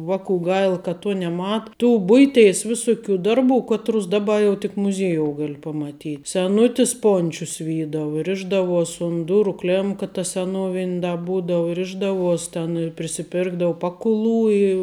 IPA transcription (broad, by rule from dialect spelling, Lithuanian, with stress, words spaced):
ˈʋɑːkuː ˈɡɐɪlˠ kɐ ˈtuɔ nʲɛˈmɐ tuː ˈbʊɪˌtʲeːɪs ˈʋʲɪsʊˌkʲuː ˈdɐrˌbuː ˈkɑːˌtrʊs ˈdɑːˌbɐ jɛʊ tʲɪk mʊˈzʲiɛjoːʊ ˈɡɐlʲ pɐmɐˈtʲiː sʲɛˈnʊtʲɪs ˈpoːnʲt͡ʃʲʊs ˈʋʲiːdɐʋʊ ˈrʲɪʒdɐʋuɔsʲ ʊn ˈdʊrʊ ˈklʲeːmkɐ tɐ sʲɛˈnoːʋʲɪnʲ dɐ ˈbuːdɐʋʊ ˈrʲɪʒdɐʋuɔsʲ tʲɛn ɪ pʲrʲɪsʲɪˈpʲɪrɡdɐʊ ˈpɑːkʊˌlˠuː ɪ